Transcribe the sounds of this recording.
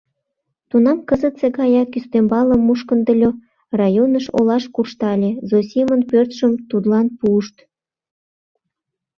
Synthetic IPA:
t̪unɑmkəzət̪sekɑjɑkyst̪embɑləmːuʃkənd̪əlʲo | rɑjonəʃo̰lɑʃkurʃt̪ɑlʲezosʲimənpørt̪ʃəmt̪ud̪lɑnpuəʃt̪

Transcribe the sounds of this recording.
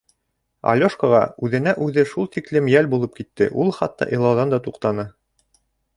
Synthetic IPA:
ɐ̰lʲoʃkoʁɑ̰ʉðɘ̆næʔʉðɘʃulˠt̪iklɘmjælbulˠɤp̚kit̪ːɘʔulˠχɑt̪ːɑ̰ʔɤ̆lˠɑwðɑnd̪ɑt̪uqt̪ɑnɤ

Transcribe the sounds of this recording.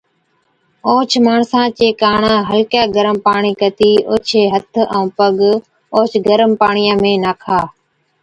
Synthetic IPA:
oːt͡ʃʰmaːɳsãːt͡ʃeːkaːɳaːɦəlkjaːɡəɾəmpaːɳiːkət̪iːoːt͡ʃʰeːɦət̪ʰə̃ːpəɠ | oːt͡ʃʰɡəɾəmpaːɳijãːmẽːnaːkʰaː

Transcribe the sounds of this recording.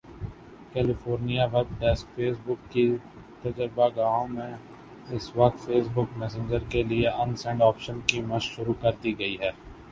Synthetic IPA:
kɛːlɪfoːɾnijaʋɛb̚ʈɛːskfeːsbʊkːi | t̪ɐd͡ʒəɾbaɡaːõmẽ | ɪsʋɐk̚t̪feːsbʊkmɛːs̬ẽɲd͡ʒəɾkelieʔɐnsɛ̃ɳɖɔːpʃənkimɐʃʃʊɾukɐɾt̪iɡɐiɦɛː

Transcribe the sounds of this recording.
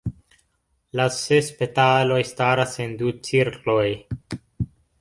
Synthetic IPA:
lasespetalo̞jstaɾase̞ndut͡siɾklo̞j

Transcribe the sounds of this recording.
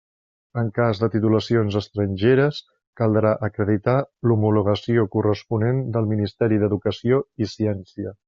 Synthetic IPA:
əŋkazðət̪it̪uləsionzəst̪ɾənʲʒeɾəs | kəlˠd̪ɾaʔəkɾəðit̪alumuluɣ̞əsiokurəspunend̪əlˠminist̪ɛɾiðəðukəsioisiɛnsiə

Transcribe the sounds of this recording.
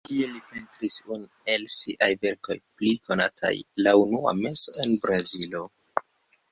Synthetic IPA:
tielipe̞ntɾisun | elsiʔajve̞ɾko̞̰jpliko̞natʰa̰jlaunua̰me̞so̞̰e̞nbɾazilo̞

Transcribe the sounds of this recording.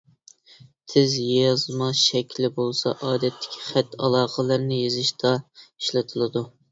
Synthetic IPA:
t̪ʰɪzjjɑzmɑʃɛkʲʰlɪbolˠsɑ̰ʔɑːd̪ɛt̪ʰːɪ̥kʲʰi̥χæt̪ːɑlˠɑːqəlˠəɾnɪjezɪʃt̪ʰɑiʃlˠɨt̪ʰɨlˠɨd̪u

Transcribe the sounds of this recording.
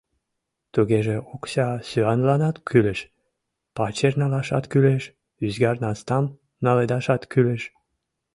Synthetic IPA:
t̪uɣeʒeokɕɑsyɑnlɑnɑt̪kʰyleʃ | pɑt͡ɕernɑlɑʃɑt̪kyleʃ | yzɡɑrnɑst̪ɑm | nɑled̪ɑʃɑt̪kyleʃ

